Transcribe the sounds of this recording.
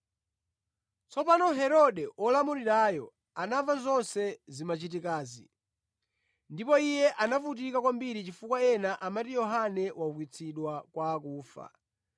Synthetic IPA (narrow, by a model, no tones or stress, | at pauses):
t͡sɔpanɔɦɛɾɔɗɛʔɔlamuɾiɾajɔ | anavazɔnsɛzimat͡ʃitikaːzḭ | ndipɔijɛʔanavutikakwambiɾit͡ʃifukwaɛnaʔamatijɔɦanɛwaukwit͡sʰiɗwakwaːkuːfa̰